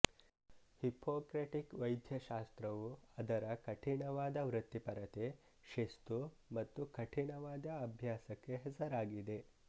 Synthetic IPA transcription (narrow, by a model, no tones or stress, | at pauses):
hipokɾeʈikʋɐjd̪ʱjɐʃast̪ɾɐʋuɐd̪ɐɾakɐʈʰiɳɐʋaːd̪ɐʋɾɨt̪ːipɐɾɐt̪e | ʃest̪umɐt̪ːukɐʈʰiɳɐʋaːd̪aɐbʱjasɐkːeɦɐsɐɾaɡid̪e